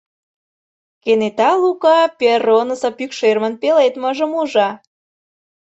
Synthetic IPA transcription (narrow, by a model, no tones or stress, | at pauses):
kenet̪ɑlukɑpʲeronəsɤ̆pykʃermə̆npelet̪mɤ̆ʒə̆muʒɑ